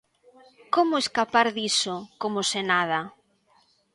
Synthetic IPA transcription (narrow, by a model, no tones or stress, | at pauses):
komʊeskapaɾðisokomosenað̞a